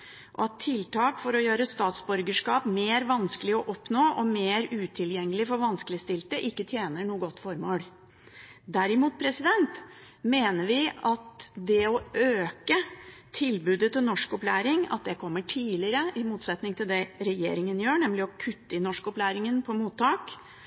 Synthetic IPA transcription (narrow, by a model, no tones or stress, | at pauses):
ʔɔ̰ɑt̪ʰːɪlt̪ʰɑːkfɔɾɔjøːɾəst̪ɑːt̪sbʉɾɡəʂkɑːpmeːɾʋɑnskəlɪɔʔɔpnoːʔɔmeːɾʉːt̪ʰɪljɛŋːəlɪfɔɾʋɑnskəlɪst̪ɪlt̪əʔɪkːət̪ʰjeːnəɳuːəɡɔt̪ːfɔɾmoːl | d̪æɾɪmuːt̪̚pʰɾɛsɪd̪ɛnt̪ | meːnəɾʋɪʔɑt̪d̪ɛɔʔøːkət̪ʰɪlbʉːd̪ət̪ʰɪnɔʂkɔplæːɾɪŋɑ̰t̪̚d̪ɛkʰɔmːəʈʰiːlɪɾəʔɪmuːt̪sɛt̪nɪŋt̪ʰɪld̪ɛɾɛjḛːɾɪŋənjøːɳɛmlɪɔkʰʉt̪ːəɪnɔʂkɔplæːɾɪŋənpʰɔmuːt̪ʰːɑːk